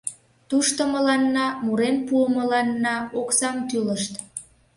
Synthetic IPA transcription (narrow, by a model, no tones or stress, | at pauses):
t̪uʃt̪oməlɑnːɑmuɾenpuəməlɑnːɑoksɑmt̪yləʃt̪